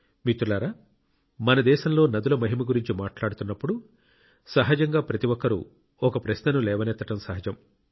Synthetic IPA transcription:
mit̪ulaːɾaː | mɐnɐd̪ɛːʃɐmlo̞ːnɐd̪ulɐmɐɦimɐɡuɾiɲt͡ʃimaːʈlaːɽut̪unːɐpːuɽu | sɐɦɐd͡ʒɐŋɡaːpɾɐt̪iʋɔkːɐɾṵ | ɔkɐpɾɐʃnɐnulɛːʋɐnɛt̪ːɐʈɐmsɐɦɐd͡ʒɐm

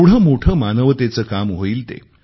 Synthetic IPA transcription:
ɽ̤əːmoʈʰəːmanəʋt̪et͡səːkamɦoiːlt̪ḛ

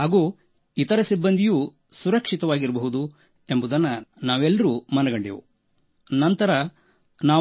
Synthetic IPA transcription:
ɦaːɡuː | it̪ɐɾɐsibːɐnd̪ʱijuː | suɾɐkʂit̪ɐʋaːɡiɾɐbɐɦud̪u | e̞mbud̪ɐnːɐnaːʋɛlːɐɾumɐnɐɡɐɳɖḭʋṵ | nɐnt̪ɐɾɐ | naː

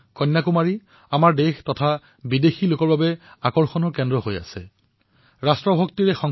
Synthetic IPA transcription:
kɔnːakumaɹi | amaɹdextɔtʰa | bidexilokɔɹbabɛakɔɹxɔnɔɹkɛndɹɔɦoja̰sɛ̰ | ɹastɹɔbʱɔk̚tiɹɛxɔŋ

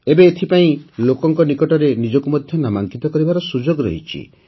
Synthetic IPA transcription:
ebeːt̪ʰipaĩlokɔŋkɔnikɔʈɔɾenid͡ʒɔkumɔd̪ʱjɔnamaŋkit̪ɔkɔɾibaɾɔsud͡ʒoɡɾɔ̰ɦḭt͡ʃʰḭ

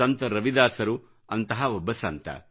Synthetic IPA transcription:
ɐnt̪ɐɾɐʋid̪aːsɐɾu | ɐnt̪ɐɦɐobːɐsɐnt̪ɐ̰

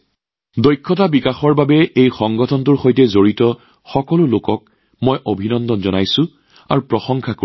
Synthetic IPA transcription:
dojkʰːɔtabikaxɔɹbabɛejxɔŋɡɔtʰɔntuɹxojtɛzoɹitɔ | xɔkɔlʊlokɔk̚ | mojʔobʱinɔndɔnzɔnajsʊ̃ | a̰ɹupɹɔxɔŋkʰako

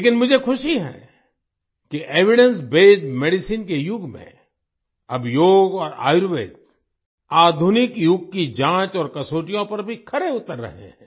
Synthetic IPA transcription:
leːkɪnmʊd͡ʒʱekʰʊʃiɦɛ̰ː | kiʔeːʋɪɽə̃nsbeːd͡ʒmeːɖɪsiːnkejʊɡmḛ̃ | ɐbʱjoːɡɔːɾa̰ːjɾʋeːt̪̚ | aːd̪ʱʊnɪkjʊɡ̚kid͡ʒãːt͡ʃɔːɾkɐsoːʈijõpɐɾbʱikʰɐɾeʊt̪əɾːɐ̰ɦḛ̃ɦɛ̃ː

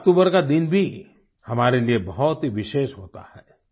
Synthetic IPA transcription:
ɐk̚ʈ̪uːbəɾkad̪ɪnbʱi | hɐmaːɾeliebɐɦɔt̪ɦiʋɪʃeːʃɦoːt̪a̰hɛː

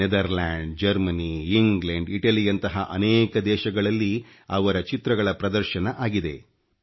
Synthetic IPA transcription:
ed̪ɐɾlaːɳɖd͡ʒɐɾmɐniːŋɡleɳɖiʈɐlijɐnt̪ɐɦɐʔɐnɛːkɐd̪ɛːʃɐɡɐɭɐlːi | ɐʋɐɾɐt͡ʃit̪ɾɐɡɐɭɐpɾɐd̪ɐɾʃɐnɐʔaːɡid̪e̞̰

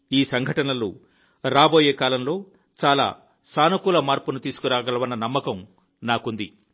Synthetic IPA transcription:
iːsɐŋɡʱɐʈɐnɐlṵ | ɾaːbo̞ːjeːkaːlɐmlo̞ː | t͡ʃaːla̰ː | saːnɐkulɐmaːɾpunut̪iːsu̥kuɾaːɡɐlɐʋɐnːɐnɐmːɐkɐm | naːkund̪i

